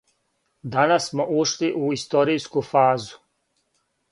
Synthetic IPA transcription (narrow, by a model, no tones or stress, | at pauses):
d̪anasmoʔuʃliʔuist̪o̞ɾijskufaːzu̥